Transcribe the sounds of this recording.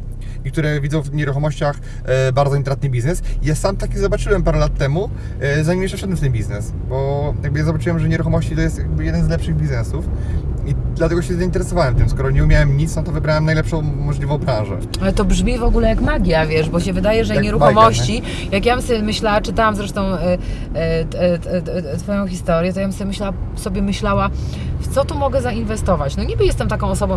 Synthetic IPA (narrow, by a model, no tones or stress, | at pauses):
ikt̪uɾɛvʲid̪ɔ̃w̃vɲɛɾuxɔmɔɕt͡ɕax | baɾd̪zɔint̪ɾat̪̚nɘbʲiznɛsijasamt̪akʲiɣzɔbat͡ʂɘwɛmpaɾɛlat̪ːɛmu | zaɲimjɛʃʂɛfʂɛd̪wɛmft̪ɛmbʲiznɛs | bɔjaɡbɘjazɔbat͡ʂɘwɛmʐɛɲɛɾuxɔmɔɕt͡ɕit̪ɔjɛst̪jaɡ̚bɘjɛd̪ɛnzlɛpʂɘɣbʲiznɛsufid̪lat̪ɛɡɔɕɛzaint̪ɛɾɛsɔvawɛmt̪ɘmskɔɾɔɲɛumʲjawɛmɲit̪snɔt̪ɔvɘbɾawɛmnajlɛpʂɔ̃w̃mɔʐlʲivɔ̃w̃bɾãñʐɛ̰ | alɛt̪ɔbʐmʲivɔɡulɛjakmaɡʲjavʲjɛʐbɔɕɛvɘd̪ajɛʐɛɲɛɾuxɔmɔɕt͡ɕi | jakjamsɔbʲɛmɘɕlawat͡ʂɨt̪awamzɾɛʂt̪ɔ̃w̃ | t̪fɔjɔ̃w̃xʲist̪ɔɾjɛt̪ɔjabmsɔbʲjemɘɕlawasɔbʲjɛmɘɕlawaft̪sɔt̪ɔmɔɡɛzainvɛst̪ɔvat͡ɕnɔɲibɘjɛst̪ɛmt̪akɔ̃w̃ɔsɔbɔ̃w̃